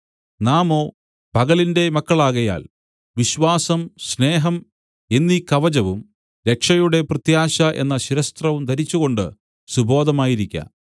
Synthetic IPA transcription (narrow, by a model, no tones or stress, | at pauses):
naːmo̞ː | pɐɣɐlinde̞mɐkːɐɭaːɣɐja̰ːl | ʋiɕʋaːsɐmɕne̞ːɦɐm | e̞nːikɐʋɐd͡ʑɐʋum | ɾe̞kʂɐjuɽe̞prɐt̪jaːɕɐʔe̞̰nːɐɕiɾɐst̪rɐʋumt̪ɐɾit͡ɕːuɣo̞ɳɖɨ̰ | subʱo̞ːd̪ɐmaːjiɾikʲːɐ̰